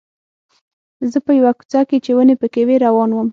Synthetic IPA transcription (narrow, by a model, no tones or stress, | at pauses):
zəpəjawaku̥t͡sɑket͡ʃewənepəkeweɾawɑnwəm